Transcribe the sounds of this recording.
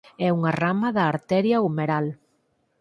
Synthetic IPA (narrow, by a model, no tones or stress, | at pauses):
ɛuŋɐramɐðɐːɾt̪ɛɾjɐumeɾal